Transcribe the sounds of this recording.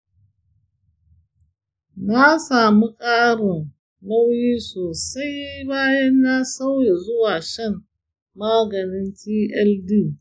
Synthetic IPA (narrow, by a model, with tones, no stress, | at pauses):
naː˦saː˨mu˦kʼaː˦ɽʊ˨n | la˦wjiː˦soː˨sa˦jbaː˦jɐ˦nːa˦sa˦wje˨zʊ˦waː˨ʃɐ˦˨m | maː˦ɡɐ˨nɪ˦ntiː˦ʔɛ˦ldiː˦˨